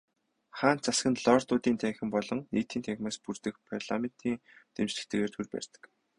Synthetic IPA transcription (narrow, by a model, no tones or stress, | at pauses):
χaːn̚t͡sasɡə̆nɮɔrt̪ʊːt̪iːnt̪ʰæŋxʲɪ̆mpɔɮɞ̆ŋeːt̪ʰiːnt̪ʰæɣʲmaːspurt̪ɘ̆kpʰarɮamen̥t̪ʰiːŋt̪ʰemt͡ɕɮɘ̥̆kt̪ɘ̆ɣeːrt̪ʰurpæ̰r̥ʲt̪ə̥̆k